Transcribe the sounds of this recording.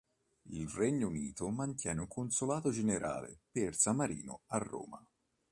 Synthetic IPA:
ilrɛɲːouniːt̪omant̪jɛːneuŋkonsolaːt̪od͡ʒeneɾʔa̰ːlḛpersamaɾḭːnʊarːo̰ːma

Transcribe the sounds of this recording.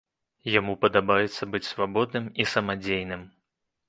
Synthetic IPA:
jamupɐd̪abajɛt̪sːɐbɨt͡sʲsvabɔd̪nɨmisɐmad͡zʲejnɨm

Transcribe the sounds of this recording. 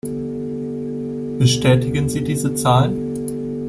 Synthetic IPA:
b̥əʃtɛːtɪɡənziːdiːzət͡saːlən

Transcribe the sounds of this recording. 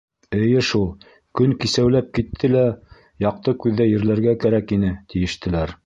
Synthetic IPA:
ɘ̆jɘʃulˠ | kɵŋkisæwlæp̚kit̪ʰːɘlæ | jɑq̚t̪ɤkʉðːæjɘ̆ɾlæɾɡækæɾækin̪ɘt̪ɘ̆jɘ̆ʃt̪ɘ̆læɾ

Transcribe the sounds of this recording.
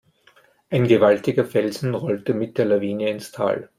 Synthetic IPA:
ʔaɪnɡəvaltɪɡɐfɛlzn̩ʁɔltəmɪt̚d̥eːɐlaviːnəɪnstʰa̰ːl

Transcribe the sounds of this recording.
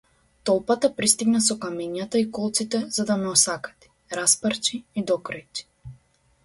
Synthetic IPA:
t̪ɔlˠpat̪apɾist̪iɡnasɔkamɛɲat̪aikɔlˠt̪sit̪ɛz̥ad̪amɛɔsakḁt̪i̥ | ɾaspaɾt͡ʃiid̪ɔkɾajt̪i̥

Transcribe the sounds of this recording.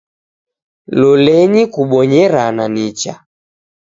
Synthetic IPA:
lɔlɛɲikuɓɔɲɛɾananit͡ʃa̰

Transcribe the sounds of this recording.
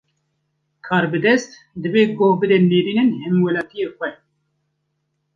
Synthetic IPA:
kʰɑːɾbɨd̪ɛst̪ | d̪ɨveːɡoːbɨd̪eneːɾiːnɨnhɛmwɛlɑːt̪ijeːxʷɛ

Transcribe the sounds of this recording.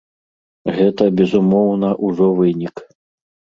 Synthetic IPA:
ɣɛt̪ɐbʲɛzumɔwnɐʔuʐɔvɨnʲik

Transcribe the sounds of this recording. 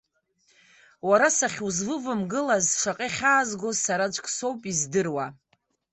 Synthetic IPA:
waɾasaχʲuzvɨvɨmɡɨlazʂaqʼeχʲaːzɡozsaɾad͡ʒʷʼkʼso̞wpʼizdɨrwa

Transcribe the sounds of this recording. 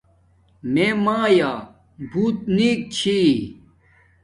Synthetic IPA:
meːmãːjaː | bʱuːt̪̚niːk̚t͡ɕʰi

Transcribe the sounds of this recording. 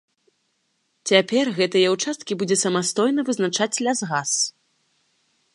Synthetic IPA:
t͡sʲapʲɛrɣɛt̪ɐjɛwt͡ʂast̪kʲibud͡zʲɛsɐmast̪ɔjnɐvɨznat͡ʂat͡sʲlʲazɣas

